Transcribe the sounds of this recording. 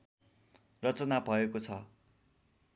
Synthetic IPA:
rʌt͡sʌnabʱʌekot͡sʰʌ

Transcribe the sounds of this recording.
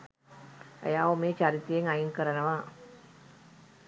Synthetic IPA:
ḛjaːʋomeːt͡ʃaɾit̪ejeŋajinkəɾənəʋa

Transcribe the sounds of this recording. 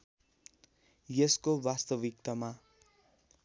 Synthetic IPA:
jeskobast̪ʌbikt̪ʌma

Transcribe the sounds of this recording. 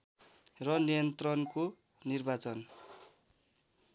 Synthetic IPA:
rʌnijʌnt̪rʌnko | nirbat͡sʌn

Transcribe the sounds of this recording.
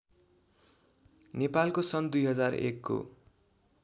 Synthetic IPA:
nepalkosʌnd̪ujɦʌd͡zarḛkːo̰

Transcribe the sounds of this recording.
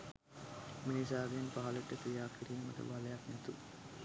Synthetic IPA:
minisaːɡenpaɦɐlɐʈːət̪ijaːkiɾiːmɐ̰ʈɐ̰balɐjaknɛt̪u

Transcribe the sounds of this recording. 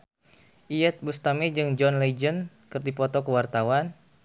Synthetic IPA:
ʔiɛt̪̚bust̪amɛd͡ʒɨŋd͡ʒɔnled͡ʒən | kɨrdipɔt̪ɔkəwart̪awan

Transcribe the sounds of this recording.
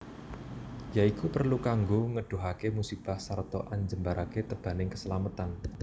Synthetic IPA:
jaikupərlukaŋɡoŋəɖ̥o̤ɦakemusib̥a̤hsart̪ɔʔaɲd͡ʒəmbaɾʔaket̪əb̥a̤nɪŋkəsəlamat̪an

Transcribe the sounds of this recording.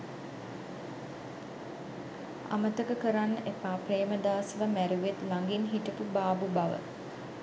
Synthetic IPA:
a̰mət̪əkəkəɾanːəʔepaːpreːməd̪aːsʋəmæɾuʋet̪laŋɡinɦiʈəpubaːbubaʋə̰

